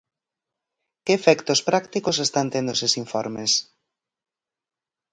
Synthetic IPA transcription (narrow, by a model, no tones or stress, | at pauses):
keːfɛkt̪ospɾakt̪ikosest̪ant̪end̪osesiɱfɔɾmes